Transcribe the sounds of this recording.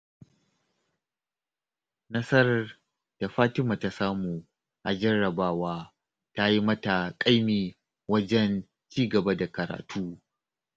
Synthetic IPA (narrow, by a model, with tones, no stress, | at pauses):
nɐ˦sɐ˦r | d̥a˨ɸaː˦tɪ˦maː˨ta˦saː˦muː˨ | ʔa˨d͡ʒɐ˦ɾɐ˨baː˦waː˦ | ta˦ji˦mɐ˦ta˨kʼa˦jmiː˨ | wɐ˦d͡ʒɛ˦n | t͡ʃiː˦ɡɐ˨ba˦da˨kɐ˨ɾa̰ː˨tʰuː˦